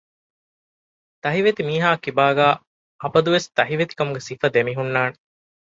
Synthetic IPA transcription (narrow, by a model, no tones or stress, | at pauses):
t̪ɐɦiʋet̪imiːɦaːkibaːɡaː | ɐbɐd̪uʋest̪ɐɦiʋet̪i̥kɐmuɡesifɐd̪emiɦunːaːne